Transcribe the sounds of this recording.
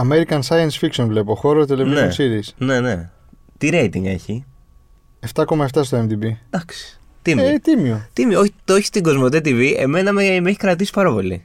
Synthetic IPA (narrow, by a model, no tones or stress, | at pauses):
ɐme̞ɾikɐnsɐjɐnsfiksonvle̞po̞xo̞ɾot̪eleizeosiɾisne̞ne̞ | t̪iɾejt̪iŋɡe̞̰çi | e̞ft̪ɐkomɐeft̪ɐst̪oemd̪ibid̪ɐksi̥ | t̪imet̪imiot̪imiooç̪oçi̥st̪iŋɡo̞zmo̞t̪et̪iviʔe̞̰me̞nɐmemeçi̥kɾɐt̪isi̥pɐɾɐpo̞lḭ